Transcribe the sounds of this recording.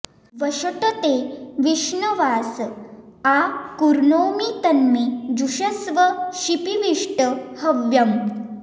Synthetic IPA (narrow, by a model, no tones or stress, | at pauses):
ʋəɕəʈət̪eʋiʂnəʋas | akuɾnowmit̪ənːed͡ʑuɕəsʋəʃipiʋiʂʈəhəʋjɐm